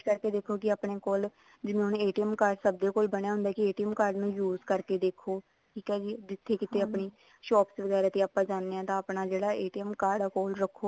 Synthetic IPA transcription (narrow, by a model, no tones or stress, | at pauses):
kəɾkeːd̪eːkʰːoːkɪaːpɳeːkoːl | d͡ʒɪnẽʊneːʈiɛmkaːɾɖsəb̚d̪eːkoːlbəɳ̃jaːɦʊ̃nd̪aːkɪeːʈiɛːmkaːɾɖnũːjuːzkəɾkeːd̪eːkʰːoː | ʈʰiːkɛːd͡ʒiːd̪ɪt̪ʰːeːkɪt̪eːaːpɳeː | ʃɔːpsʋəɡɛːɾaːt̪eːaːpːãːd͡ʒaːneːɛ̃ːt̪ãːpnaːd͡ʒeːɽaːeːʈiːɛmkaːɾɖaːkoːlɾəkʰːoː